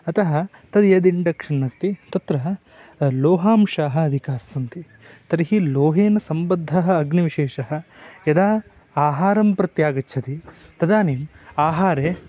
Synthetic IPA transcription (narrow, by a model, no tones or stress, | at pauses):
ɐt̪ɐɦɐt̪ɐd̪jɐd̪iɳɖɐkʂɐnːɐst̪it̪ɐt̪ɾɐɦɐ | loːɦaːmʃaːɦɐːd̪ʱikaːsɐnt̪i | t̪ɐɾiɦiloːɦeːnɐsɐmbɐd̪ʱːɐɦɐːɡnɐʋiʃeːʂɐɦɐ̆jɐd̪aː | aːɦaːɾɐmpɾɐt̪jaːɡɐt͡ʃʰɐt̪it̪ɐd̪aːniːmaːɦaːɾeː